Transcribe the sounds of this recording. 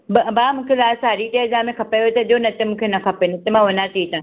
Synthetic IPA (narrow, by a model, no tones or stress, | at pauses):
bɐbaːmũːkʰelaːsaːɾiʈeːɾd͡ʒaːmẽkʰɐpaoet̪ɐʄonɐt̪ɪmũːkʰenɐkʰɐpenɐt̪emãʋɐnaːt̪ʰit̪ã